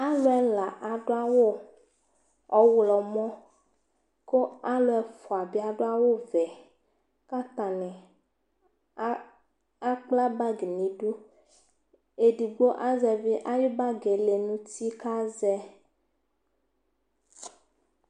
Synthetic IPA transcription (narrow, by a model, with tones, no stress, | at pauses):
a˦lo˦ɛ˦la˨ʔa˨ɖo˦a˦wo˦ | ɔ˦wlɔ˨mɔ̃˦ | ko˦a˦lo˨˦ɛ˨fɔ˨a˨bi˦a˨ɖo˦a˦wo˦vɛ˨ | ka˦t̪a˨nɛ̃˨˦ | a˦k͡pla˦ba˦ɡe˨nĩ˨ɖu˦ | e˨di˨ɡ͡bo˦ʔa˦zɛ˨ve˦ʔa˦jo˦ba˦ɡe˨le˨nũ˦t̪i˦ka˦zɛ˦